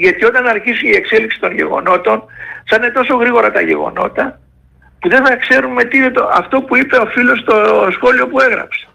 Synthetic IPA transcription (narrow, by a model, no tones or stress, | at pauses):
ʝɐt̪io̞t̪ɐnɐɾçisunie̞kse̞liksi̥t̪o̞nʝe̞̰ɣo̞̰no̞t̪o̞nsɐne̞t̪o̞so̞ɣɾiɣo̞ɾɐt̪ɐʝe̞̰ɣo̰no̞̰t̪ɐ | puðeθɐkse̞ɾume̞t̪iinet̪oɐft̪o̞puipe̞o̞filo̞st̪o̞sxo̞lio̞pue̞ɣɾɐ̰pse̥